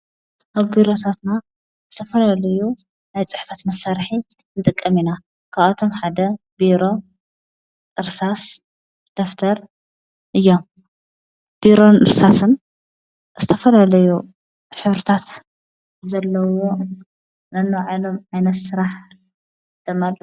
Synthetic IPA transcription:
ʔaβbiɾo̞t̪ʰat̪na | zɨt̪ʰɐfɐlalɐju | najt͡sʼɨħfɐt̪mɐsaɾħinɨt̪ʼɨkʼːɐmina | kʰaβat̪ʰo̞mħad̪ɐ | biɾo̞ | ʔɨɾsas | d̪̥oft̪ʰɐɾ | ʔɨjːom | b̥iɾo̞nɨ̰ɾsasɨn | z̥ɨt̪ʰɐfɐlalɐju | ħɨβɾɨt̪ʰat̪ | zɐlːɐwo | nɐnːoʕalo̞mʕajnɐt̪sɨɾaħ | d̪̥ɐmːalːɐ

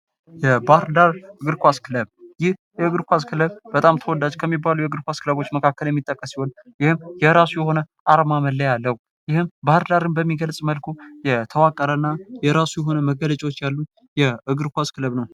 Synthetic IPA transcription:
jɛbaɾd̪aɾɨɡɨɾkʷaskʰɨləβjɪhjɛɨɡɨɾkʷaskʰɨləβb̥ət̪ʼamt̪ʰəwɔd̪ad͡ʒkʰəmːibːalujɛɨɡɨɾkʷaskʰɨləβo̞t͡ʃːməkʰakːəljɛmːit̪ʼːəkʼːəsiwonjɪhɨmjɛɾasujɛho̞nə | ʔaɾmaməlːəjalːəhu | jɪhɨmbaɾd̪aɾɨnbəmːiɡəlsʼməlkʰujɛt̪ʰəwakʼːəɾənːajɛɾasujɛɦo̞nəməɡələt͡ʃʼɛwot͡ʃːjalːu | jɛɨɡɨɾkʷaskʰɨləβnəw

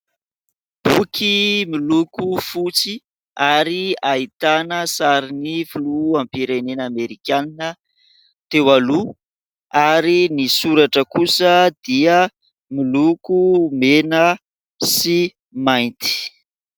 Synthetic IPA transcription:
b̥ukʰimilukufut͡si | aɾiait̪anəsaɾinifuluampiɾenenameɾikaninə | t̪ewalu | aɾinisuɾaʈ͡ʂəkusəd̪iə | milukumenə | si | majnt̪i̥

